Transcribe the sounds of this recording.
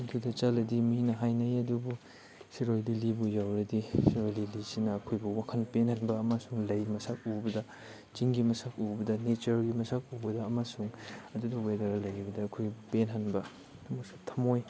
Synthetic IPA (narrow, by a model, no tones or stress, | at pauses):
ɐdudɐt͡ʃalɐdimɐhinɐɦajnɐjɐdubu | siɾojlilibujawɾɐdisiɾojlilisinɐːkʰojbuwakʰɐnpenhɐnbɐːmasuŋlɐjmɐsak̚ubɐdɐ | t͡ʃiŋɡimɐsak̚ubɐdɐnet͡ʃɐɾɡimɐsak̚ubɐdɐɐmasuŋɐdudɐwedɐɾɐlɐjibɐdɐːkʰojɡibupenɦɐnbɐ | tʰɐmosḁtʰɐmoj